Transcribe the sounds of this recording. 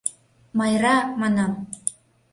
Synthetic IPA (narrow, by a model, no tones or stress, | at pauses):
mɑjɾɑmɑnɑm